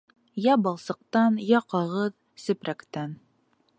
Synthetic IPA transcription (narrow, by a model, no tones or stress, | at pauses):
jɑbɑlˠsɤ̆q̚t̪ɑnjɑqɑʁɤð | sɵ̆pɾækt̪æn